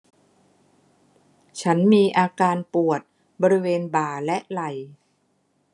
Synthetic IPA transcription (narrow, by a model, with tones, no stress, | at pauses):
t͡ɕʰa˦˥nmiː˧ʔaː˧kaː˧npu˨˩ət̪̚ | bɔː˧ɾi˦˥weː˧nbaː˨˩lɛ˦˥ʔla˨˩j